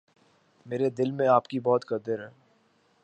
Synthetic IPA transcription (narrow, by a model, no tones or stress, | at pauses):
meːɾed̪ɪlmẽaːpkibɔːt̪kɐd̪əɾɦɛː